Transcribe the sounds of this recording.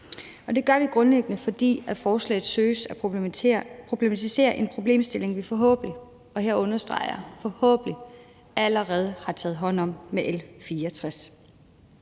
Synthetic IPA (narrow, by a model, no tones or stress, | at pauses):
ɒ̽d̥e̝ɡ̥ɶɐʋiɡ̥ʁɔ̽nleɡ̥ənəfɒ̽d̥ḭːæfɒːslɛ̰ɪð̞̩ˠsøːsæ | pʰʁo̝b̥le̝mæt͡sʰise̝̰ːɐʔe̝npʰʁo̝b̥le̝̰ːmsd̥e̝le̝ŋʋifɒ̽ɦɔ̰̽ːb̥li | ɒ̽ɦeɐɔ̽nɐsd̥ʁɑ̈ɪɐfɒ̽hɔ̰̽ːb̥əli | æləʁɛːð̞ˠəhɑ̈t͡sʰɛ̰ːð̩ˠɦɒ̽n̰ɒ̽m̰meʔelfiːɐt͡sʰʁas